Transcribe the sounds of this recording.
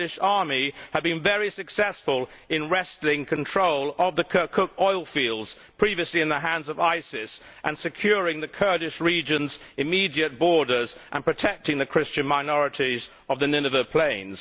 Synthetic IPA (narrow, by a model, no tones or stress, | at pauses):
ɨʃɑɹmiəd̚bɨ̃nvɛɹisɨksɛsfəlˠɪ̃nɹɛslɪ̃ŋkʰɨ̃ntʰɹ̥oʊlˠəvðɨkʰɜ˞kʰʊkɔɪlˠfilˠdz̥ | pʰɹ̥iviɨsliɨ̃nðəɦæ̃ndzʌvaɪsɪs | ʔɨ̃nsɨkʰj̥ʊɹɪ̃ŋðɨkʰɜ˞ɾɨʃɹid͡ʒɨ̃nzɨmiɾiɨt̚b̥ɔɹɾə˞zʔə̰̃npʰɹ̥ɨtʰɛk̚tɪ̃ŋðɨkʰɹ̥ɪst͡ʃɨ̃nmaɪnɔɹɨɾiz | ʌvðɨnɪ̃nɨvəpʰl̥ẽɪ̃nz̥